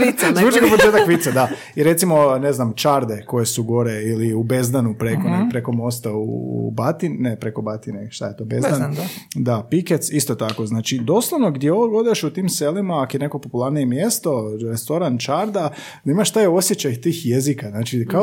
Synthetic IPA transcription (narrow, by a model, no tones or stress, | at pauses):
iut͡ʃikopot͡ʃeːt̪akʋit̪sed̪a | iɾe̞t̪simo̞ne̞znamt͡ʃaɾd̪e̞ko̞je̞suɡo̞ɾeiliube̞zd̪anupɾekonepɾe̞ko̞mo̞st̪aṵbat̪innepɾe̞ko̞bat̪ineʃt̪a̰je̞t̪o̞bezdd̪and̪apiket̪sist̪o̞t̪ako̞znaːt͡ʃid̪o̞slˠoʋno̞ɡd̪jeo̞ʋoɡod̪iʃut̪iːmselimaːkojeneko̞populˠaɾnije̞mje̞st̪o̞ɾest̪o̞ɾant͡ʃaɾd̪a | d̪aimaʃt̪ajo̞sjet͡ɕajt̪iːxje̞zikaznaːt͡ʃika